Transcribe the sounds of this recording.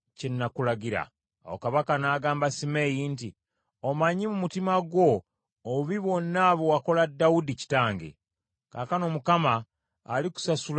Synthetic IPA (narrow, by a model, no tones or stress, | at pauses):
cenːakulaɟiɾa̰ː | wokaβakanaːɡaːmbasime̞jinti | omaɲimumutimaɡwo̞ː | uβiβo̞nːaβowako̞ladːaudici̥taːŋɡḛ | kaːkano̞mukamaː | liku̥sasul